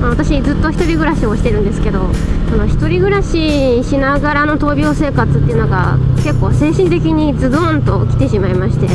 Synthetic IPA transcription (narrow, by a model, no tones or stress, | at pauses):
maβat̪aɕid͡zɨt̪ːo̞çi̥t̪o̞ɾʲiɡɯ̟ɾaɕioɕi̥t̪e̞ɾɯ̟nd̪e̞sɨ̥ke̞d̪o̞ | sono̞çi̥t̪o̞ɾʲiɡɯ̟ɾaɕi | ɕinaɡaɾano̞t̪o̞ːbʲo̞ːse̞ːkat͡sɨt̪ːeiɯ̟no̞ɡa̰ke̞kːo̞ːse̞ːɕĩnt̪e̞kʲiɲ̟id͡zɨd̪õnt̪o̞kʲi̥t̪e̞ɕimaimaɕi̥t̪e̞